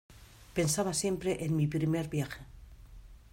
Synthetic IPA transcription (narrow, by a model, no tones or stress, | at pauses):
pe̞nsaβasje̞mpɾe̞ʔenmipɾimeɾβjaxe